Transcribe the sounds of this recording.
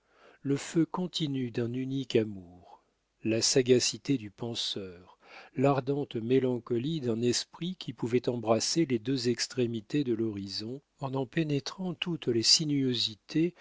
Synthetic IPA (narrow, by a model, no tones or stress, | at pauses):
ləføkɔ̃t̪ʰinyd̪ɛ̃nynikamuːʁ | lasaɡasit̪ed̪ypɑ̃sœːʁ | laʁd̪ɑ̃t̪melɑ̃kɔlid̪ɛ̃nɛspχikʲʰipuvɛt̪ɑ̃bʁaseled̪øzɛkst̪χemit̪ed̪əlɔʁizɔ̃ | ɑ̃nɑ̃penet̪χɑ̃t̪ut̪lesinyøzit̪ʰe